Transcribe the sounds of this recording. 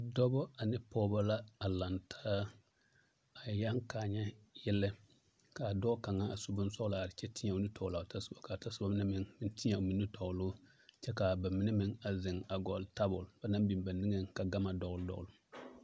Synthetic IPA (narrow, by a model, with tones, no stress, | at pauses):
dɔ˦bɔ˦a˨nɪ˦pɔː˦ba˦la˦a˨la˨ntʰaː˦ | a˨jja˦ŋka˨ɲɛ˦jɪ˦lːɪ˦ | ka˨dɔː˦ka˨ŋã˦a˨su˨bʊ˦n˦sɔ˦la˨ɾɪ˨t͡ʃɛ˦tʰi˦ɲa˨u˨ni˦tʰɔ˨la˨ta˦su̥˨ba˨ka˨ta˦su˦ba˦mɪ˦ne˦mɪ˨ŋmɪ˦nti˦ɲa˨o˨mi˨nːi˦tɔ˨lʊ˦ | t͡ʃɛ˦ka˨ba˨mi˦ne˦mɪ˦ŋa˨zɪ˨ŋa˨ɡɔ˨lta˦bʊ˨lba˨na˦bi˨ba˨ni˦e˦ŋka˨ɡa˦ma˨dɔ˨ɡldɔ̰˦l